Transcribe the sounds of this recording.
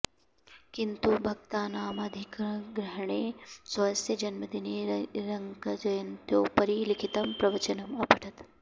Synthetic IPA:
kint̪ubʱɐk̚t̪aːnaːmɐd̪ʱikɡɾɐɦɐɳeːsɐɐsɐd͡ʒɐnmɐd̪ineːɾɐŋkɐd͡ʒɐjɐnt̪joːpɐɾiːlikʰit̪ɐmpɾɐʋɐt͡ʃɐnɐmɐpɐʈʰɐt̪

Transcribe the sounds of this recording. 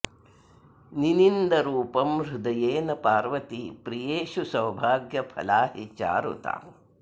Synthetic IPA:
ninind̪ɐɾuːpɐmɾud̪ɐjeːnɐpaːɾʋɐt̪ipɾijeːʃusɐwbʱaːɡjɐpʰɐ̰laːɦit͡ʃa̰ːɾṵt̪a̰ː

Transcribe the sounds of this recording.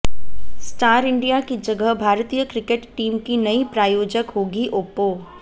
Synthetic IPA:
sʈaːɾɪɳɖijakid͡ʒɐɡəɦbʱaːɾt̪ijəkɾɪkeʈʈiːmkinɐipɾaːjoːd͡ʒəkɦoːɡiʔoːpoː

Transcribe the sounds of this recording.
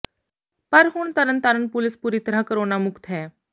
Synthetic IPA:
pəɾɦuːɳt̪əɾənt̪aɾənpulɪspuːɾiːt̪əɾakəɾoːnamʊkt̪ɦɛː

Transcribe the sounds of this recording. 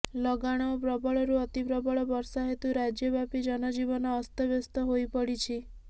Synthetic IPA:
lɔɡaɽ̃ɔːpɾɔbɔɭɔɾuɔt̪ipɾɔbɔɭɔbɔɾsaɦet̪uɾad͡ʒjɔbapid͡ʒɔnɔd͡ʒibɔnɔːst̪ɔbjɔst̪ɔɦojpɔɽit͡ʃʰi

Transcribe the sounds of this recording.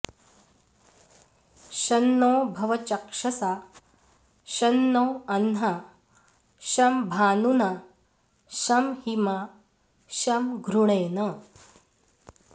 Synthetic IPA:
ɕɐnːoːbʱɐʋɐt͡ʃɐkʂɐsa | ʃɐnːoːɐnɦa | ʃɐmbʱaːnuna | ʃɐmhima | ʃɐmɡʱɾuɳ̃ɐjnɐ

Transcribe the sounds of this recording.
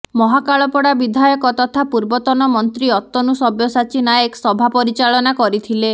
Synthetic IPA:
mɔɦakaɭɔpɔɽabid̪ʱajɔkɔt̪ɔt̪ʰapuɾbɔt̪ɔnɔmɔnt̪ɾiɔt̪ːɔnusɔbjɔsat͡ʃinaeksɔbʱapɔɾit͡ʃaɭɔnakɔɾit̪ʰile

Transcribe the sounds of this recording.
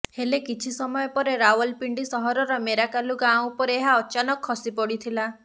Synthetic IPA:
helekit͡ʃʰisɔmɔjɔpɔɾeɾaɔlpiɳɖisɔɦɔɾɔɾɔmeɾakaluɡãwũpɔɾeeɦaɔt͡ʃanɔkʰːɔsipɔɽit̪ʰila

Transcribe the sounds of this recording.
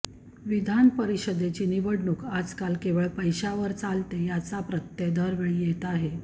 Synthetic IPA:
ʋid̪ʱanpəɾiɕəd̪et͡ɕiːniʋəɽɳukad͡zkalkeʋəɭpəjɕaʋəɾt͡salt̪ejat͡sapɾət̪ːjed̪ʱəɾʋeɭijet̪aɦe

